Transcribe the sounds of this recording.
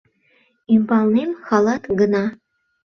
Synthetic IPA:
impɑlˠnemxɑlˠɑt̪ɡɤ̆nɑ

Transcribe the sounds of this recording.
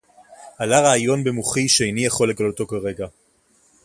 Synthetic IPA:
alaʁaːjo̞nbemuχiʃeejnijaχo̞le̞ɡaloto̞kaʁe̞ɡa

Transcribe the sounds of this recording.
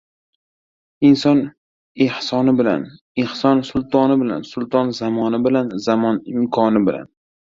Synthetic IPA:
ɪnsɒn | ɪhsɒnɪbɪla̰n | ɪhsɒnsʊlˠt̪ʰɒnɪbɪla̰nsʊlˠt̪ʰɒnzamɒnɪbɪlanzamɒnɪmkʰɒnɪbɪla̰n

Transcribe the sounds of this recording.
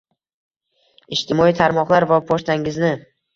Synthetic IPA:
ɪʃt̪ʰɪmɒit̪ʰaɾmɒqlˠaɾvapʰoʃt̪ʰaŋɪznɪ

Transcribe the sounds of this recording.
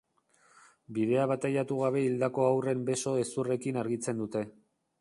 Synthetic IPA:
biðe̞aβat̪ajat̪uɣ̞aβe̞ild̪ako̞awre̞mbe̞so̞e̞sure̞kinaɾɣit͡se̞nd̪ut̪e̞

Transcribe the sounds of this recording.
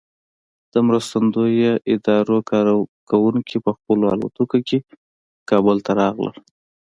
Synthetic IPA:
d̪̥əmɾəst̪and̪ojoʔɪd̪ɑɾokɑɾkawuŋkʰipəxpəloɑ̰lṵt̪ukokʰe | kɑbʊlt̪aɾɑɣlə̰l

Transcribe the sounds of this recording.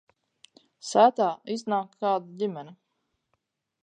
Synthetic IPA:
sæːt̪aːiznaːkʰːaːd̪uɟʲimɛni

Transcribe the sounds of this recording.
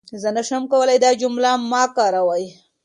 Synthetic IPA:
zənaʂamkawəlajd̪ɑd͡ʒʊmlamːɑkɑɾawaj

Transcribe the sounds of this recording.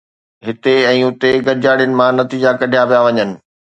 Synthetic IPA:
ɦɪt̪eɛ̃ːʊt̪eɡɐɾɪd͡ʑaːɽijənɪ̆mãnɐt̪iːd͡ʑakɐɖʱijapijaʋɐɲənɪ̆

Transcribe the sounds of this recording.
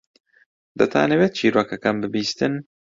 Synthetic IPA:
d̪ɐt̪ʰa̰ːnɛweːt̪̚t͡ʃiːɾoːkɐkanbɪbiːst̪ɨn

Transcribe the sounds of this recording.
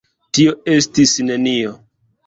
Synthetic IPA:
tio̞e̞stisne̞nio

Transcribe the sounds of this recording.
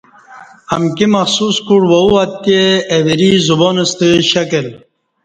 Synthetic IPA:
ɐmkimɐxsuskuɽwɐuat̪ːeːwiɾizuboːnest̪eɕɐkel

